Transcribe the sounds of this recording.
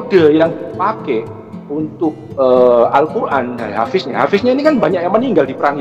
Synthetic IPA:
dajaŋpakɛ | unt̪ʊk̚əalkuɾʔandaɦa̰fɪsɲaɦafɪsɲainikanbaɲak̚jamaniŋɡaldipəɾaŋj

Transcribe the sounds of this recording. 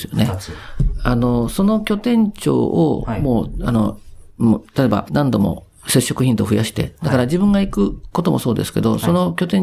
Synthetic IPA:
sɨjo̰ne̞ | ano̞so̞no̞kʲo̞t̪ẽ̞ɲt͡ɕo̞̰ːomoːano | t̪at̪eba̰nãnd̪o̞mo̞̰ | se̞ɕːo̞kɯ̟çĩnt̪o̞ɸɯ̟jaɕi̥t̪e̞̰d̪akaɾad͡ʑibɯ̟̃ŋɡaikɯ̟ko̞t̪o̞mo̞so̞ːd̪e̞sɨ̥ke̞̰d̪o̞so̞no̞kʲo̞t̪ẽ̞

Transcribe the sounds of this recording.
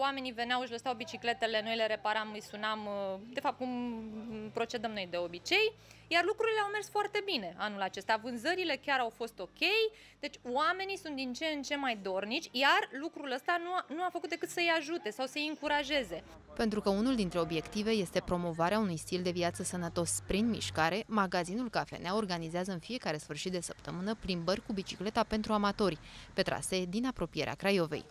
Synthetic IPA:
wame̞nive̞neawɨʃ̬ʲləsawbit͡ʃikle̞t̪e̞le̞no̞jle̞ɾe̞paɾamɨjsunamd̪efap̚t̪̚kum | pɾo̞t͡ʃe̞d̪əmnojd̪e̞o̞bit͡ʃe̞jjarlukɾuɾileawme̞rsfoart̪e̞bine̞ʔanulat͡ʃe̞st̪avɨnzəɾile̞kʲaɾawfo̞st̪o̞kʲe̞j | d̪̥e̞t͡ʃʲwame̞nisunt̪̚d̪int͡ʃeɨnt͡ʃe̞nmajd̪o̞rnit͡ʃʲjarlukɾuləst̪anunuafəkut̪d̪ekɨt̪səjaʒut̪e̞sawsəjɨŋkuɾaʒe̞ze̞ | pe̞nt̪ɾukəunuld̪int̪ɾe̞obje̞kt̪ive̞je̞st̪e̞pɾo̞mo̞vaɾeaunujst̪ild̪e̞viat̪səsənət̪o̞spɾinmḭʃkaɾe̞maɡazinulkafe̞̰neao̞rɡanizeazəɨnfije̞kaɾe̞sfɨrʃit̪̚d̪e̞səpt̪əmɨnəplimbərʲkubit͡ʃi̥kle̞t̪ape̞nt̪ɾuamat̪o̞rʲpe̞t̪ɾa̰se̞d̪inapɾo̞pije̞ɾḛa̰kɾajo̞ve̞̰j

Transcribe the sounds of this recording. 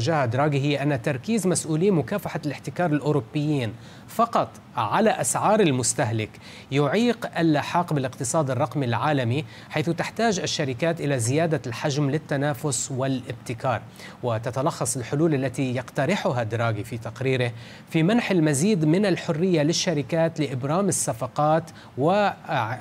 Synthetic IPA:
ʒaːhad̪ɾˤɑːɡiɦɪjːʔanːat̪ɑɾˤkiːzmasʔuːliːmʊkaːfaħalɪħt̪ɪkɑːɾˤɪlʔʊːɾʊbːɪjːiːn | fɑqɑt̪ˤ | ʕalaʔasʕɑːɾˤɪlmʊst̪aɦlɪk | jʊʕiːqʔalʔaħɑːqbɪlɪqt̪ɨsˤɑːd̪ɪrˤːɑqmilʕaːlami | ħajθʊt̪ɪħt̪aːd͡ʒʔaʃːaɾɪkaːt̪ʔɪlazɪjaːd̪alħaʒmlɪt̪ːanaːfʊswɪlʔɪbt̪ɪkɑːɾˤ | wɪt̪at̪alɑxːɑsˤɪlħʊluːlʔalːat̪ijɑqt̪aɾɪħʊɦad̪ɾˤɑːɡifit̪aqɾiːɾɪ | fimanħalmaziːd̪mɪnalħʊrːɪjːalɪʃːaɾɪkaːt̪lɪʔɪbɾɑːmɪsːafɑqɑːt̪ | wɪ

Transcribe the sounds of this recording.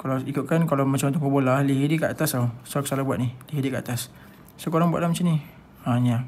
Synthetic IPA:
kalaikʊʔ̪̚kankalawmat͡ʃamut̪ukpəbolahliɦidikəʔat̪asawsakə̥salabwaʔ̪̚niliɦidikəʔa̰t̪as | səkoɾaŋbua̰ʔlamat͡ʃani | aɲa

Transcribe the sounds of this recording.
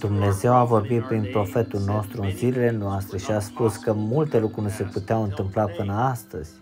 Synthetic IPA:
d̪̥umne̞ze̞wavo̞rbit̪̚pɾinpɾo̞fe̞t̪ulno̞st̪ɾuɨnvilele̞noast̪ɾe̞ʃiaspuskəmult̪e̞lukɾuɾnse̞put̪eawɨnt̪ɨmplapɨnəast̪əz̥ʲ

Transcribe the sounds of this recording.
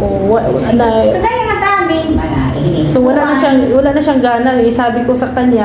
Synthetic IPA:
ʔoʔwɐɐnɐɡajamɐsɐʔaːmɪ | sowɐlaʔnɐʃaŋwɐlaːʔnɐʃaŋɡaːnɐt̪ɪsaːbɪko̞sɐkɐɲɲa

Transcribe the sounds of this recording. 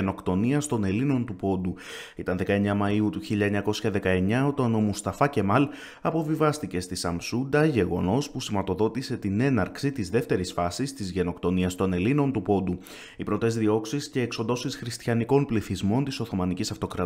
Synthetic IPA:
eno̞kt̪o̞niɐst̪o̞ne̞lino̞nt̪upo̞d̪u | it̪ɐnðe̞kɐe̞ɲɐmɐiut̪uçiʎɐeɲɐko̞sçɐðe̞kɐe̞ɲɐo̞t̪ɐno̞must̪ɐfɐce̞mɐl | ɐpo̞vivɐst̪ice̞st̪isɐmsund̪ɐʝe̞ɣo̞no̞spusimɐt̪o̞ðo̞t̪ise̞t̪ine̞nɐɾksit̪izðe̞ft̪e̞ɾisfɐsist̪izʝe̞no̞kt̪o̞niɐst̪o̞ne̞lino̞nt̪upo̞d̪u | ipɾo̞t̪e̞zðio̞ksisce̞ːkso̞nd̪o̞sisxɾist̪çɐniko̞npliθizmo̞nt̪iso̞θo̞mɐnicisɐft̪o̞kɾɐ

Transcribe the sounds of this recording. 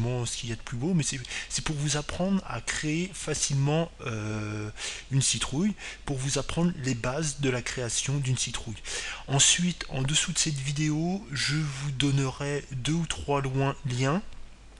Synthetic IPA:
mɑ̃sə̥kʲiljad̪əplybomɛsɛsɛpuʁvuzapχɑ̃d̪ʁa̰kχeefasilmɑ̃ø | ynsit̪χujpuʁvuzapχɑ̃d̪ʁlebazd̪əlakχeasjɔ̃d̪ynsit̪χujɑ̃sɥit̪ɑ̰̃d̪əsud̪əsɛt̪vid̪eoʒəvud̪ɔnəʁɛd̪øut̪χwalwɛ̃ljɛ̃

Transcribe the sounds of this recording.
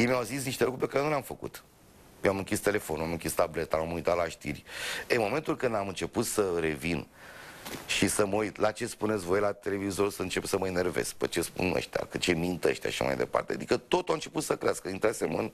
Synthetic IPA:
jejmiawzis̬niʃt̪elukɾuɾpe̞kaɾenulʲamfəkṵt̪ | jewamɨŋkʲist̪e̞le̞fonuamɨŋkʲist̪able̞t̪aamujt̪at̪laʃt̪ḭrʲemo̞me̞nt̪ulkɨnd̪amɨnt͡ʃe̞put̪səɾe̞vin | ʃisəmujt̪lat͡ʃe̞spune̞t̪sʲvo̞jlat̪e̞le̞vizo̞ɾsəɨnt͡ʃe̞psəməene̞rvḛskpə̰t͡ʃe̞spṵnə̰ʃt̪a̰kɨt͡ʃe̞mint̪ə̰ʃt̪ʲa̰ʃiʃa̰ma̰jd̪e̞̰pa̰rt̪ea̰d̪ikət̪o̞t̪uaɨnt͡ʃe̞put̪səkɾeaskəint̪ɾasemə̰n

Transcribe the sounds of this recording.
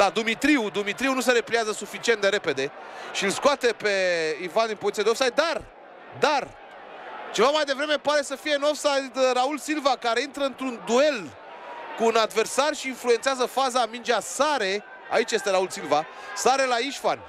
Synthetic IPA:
lad̪umit̪ɾiud̪umit̪ɾiunus̬e̞ɾe̞pliazəsufit͡ʃient̪d̪e̞ɾe̞pe̞d̪e̞ʃilskoat̪e̞pe̞ivand̪inpoit̪sijad̪eofsajd̪ar | d̪ar | t͡ʃe̞vamajd̪e̞vɾe̞me̞poaɾe̞səfije̞nofsajd̪raulsilvakaɾe̞int̪ɾəɨnt̪ɾund̪ue̞l | kuːnad̪ve̞rsarʃiːnflue̞nt̪seazəfazamind͡ʒeasaɾe̞ | a̰it͡ʃje̞st̪e̞ɾaulsilva | saɾe̞laiʃfanʲ

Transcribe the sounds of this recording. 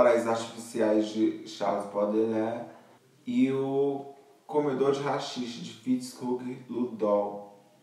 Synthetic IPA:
ɾajzaɾt͡ʃifisiajzd͡ʒɪʃa̰zipɔd̪ẽlɛ | ɪʊ | kõmed̪oɾd͡ʒɪɦaʃiʃɐd͡ʒɪfit͡ʃskukɪd̪ud̪ɔw

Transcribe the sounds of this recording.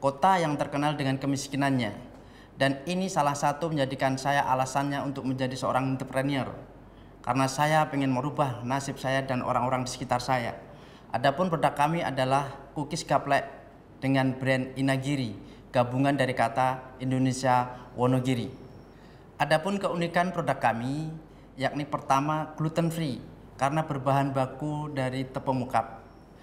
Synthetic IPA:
kot̪ajaŋt̪ərkənaldəŋankəmiskinanɲa | daninisalahsat̪uməɲd͡ʒadikansajaʔalasanɲaunt̪ʊk̚məɲd͡ʒadisəo̰ɾaŋint̪əpɾaniə̰r | ka̰ɾənasajapəŋɛnməɾubahnasɪp̚sajadanʔo̰ɾaŋoɾaŋdisə̥kit̪arsaja̰ | ʔadapʊnpərdakamia̰dalahkukisɡaplɛʔ | d̥əŋanbɾɛninaɡiɾi | ɡ̥abuŋandaɾikat̪aindonesiawʔɔnoɡiɾi | ʔadapʊnkəundikanpɾodakːami | jak̚nipərt̪amaklut̪ənfɾi | kaɾənabərbaɦanbakudaɾit̪əpəmukap̚

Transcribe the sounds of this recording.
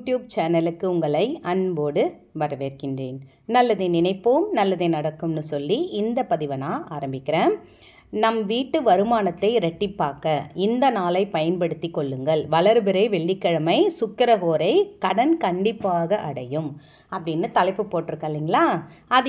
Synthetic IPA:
ʈjuːb̚t͡ʃeːnɐlɯkːɯʊŋɡɐɭɐɪɐnboːɽɯ | ʋɐɾɐʋeːɾkɪndreːn | nɐlːɐðenɪnɐɪpːoːmnɐlːɐðɐnɐɽɐkːɯmnɯsɔlːiʔɪnd̪ɐpɐðɪʋɐnaːʔaːɾɐmbɪkːɪɾeː | nɐmʋiːʈːɯʋɐɾɯmaːnɐt̪ːɐɪɾɛʈːɪpːaːkɐɪnd̪ɐnaːlɐɪpɐjɐnpɐɽɯt̪ːikːɔɭːɯŋɡɐɭʋɐlɐɾɯbɪɾɐɪʋɛɭːɪkːɐɻɐmɐɪsʊkːɪɾɐɣoːɾɐɪkɐɽɐnkɐɳɖɪpːaːɣɐʔɐɽɐjɯm | ɐpːɐɽɪnːɯt̪ɐlɐɪpːɯpːoːʈːɪɾɯkːaːliːŋɡɐɭaːɐð

